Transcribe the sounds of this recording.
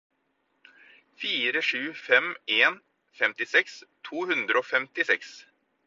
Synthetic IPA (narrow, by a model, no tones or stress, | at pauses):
fiːɾəʂʉːfɛmʔeːn | fɛmt̪ɪsɛkst̪ʰuːhʉnd̪ɾəoːfɛmt̪ɪsɛks